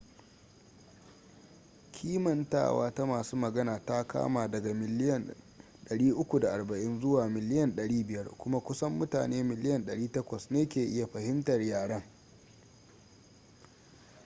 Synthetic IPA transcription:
kʲʰiː˦mɐ˨nta̰ː˦˨wa̰ː˦ta˦maː˨suː˦mɐ˨ɡɐ˦naː˨ta˦ka̰ː˦maː˨dɐ˨ɡa˨mɪ˨lɪ˦jɐ˨n | ɗɐ˨ɽiː˦ʔʊ˦kʷu˨da˨ʔa˨rbɐ˨ʔɪ˦nzʊ˦waː˨mɪ˨lɪ˦jɐ˨nɗɐ˨ɽiː˦bɪ˨jɐ˦rkʷʊ˦ma˦kʷʊ˦sɐ˦mːʊ˦ta̰ː˨neː˦mɪ˨lɪ˦jɐ˨nɗɐ˨ɽiː˦tɐ˦kʷɐ˨sneː˦kʲeː˨ʔɪ˦ja˨ɸɐ˨hɪ˦mtɐ˨rjaː˨ɽɐ˦ŋ

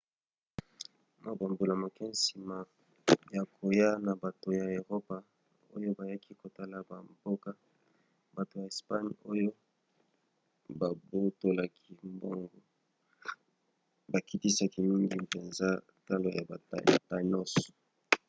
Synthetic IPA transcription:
ma˨ba˨mbo˨la˨mo˨kɛ˦n˦si˨ma˨ | ja˨kʰo˨ja˦na˨ba˨to˨ja˨e˨ʁo˦pa˨ | o̰˦jo˦ba˨ja˦ki˦ko˨ta˦la˨ba˨mbo˦ka˦ | ba˨to˨ja˨e˨spa˦ɲo˦jo˦ | ba˨bo˦to˦la˨kʰi˦mbo̰˦ŋɡo˦ | ba˨ki˦ti˦sa˨ki˨mi˦ŋɡi˨pe˨nza˦ | ta˦lo˨ja˨ba˨˦˨ta˦nɔ˦sɔ̥˨

